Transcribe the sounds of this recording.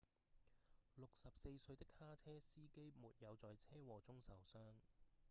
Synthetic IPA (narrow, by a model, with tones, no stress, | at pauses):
lʊ˨k̚sɐ˨p̚se˧jsɵ˧ɥt̪ɪ˥khaː˥t͡sʰɛː˥siː˥ke˥jmuː˨t̚jɐ˨˧wt͡sɔː˨jt͡sʰɛː˥wɔː˨˩t͡sʊ˥ŋsɐ˨˩wsœː˥ŋ